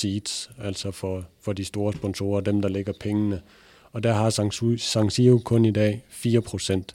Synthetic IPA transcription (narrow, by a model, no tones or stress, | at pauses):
iːd̥sæl̰sɒ̽fɒfɒ̽d̥isd̥o̝ːɐsb̥ɒ̽nso̝̰ːɐd̥emd̥ɑ̈leɡ̥ɐpʰeŋənə | ɒ̽d̥æɐɦɑ̈sɑ̈ŋsiokʰɔ̽nidɛ̰ːfiːɐpʰʁo̝sen̰d̥